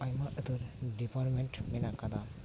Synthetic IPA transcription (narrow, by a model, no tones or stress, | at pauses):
ajmaʔət̪uɾɖipaɾmeɳʈminakad̪a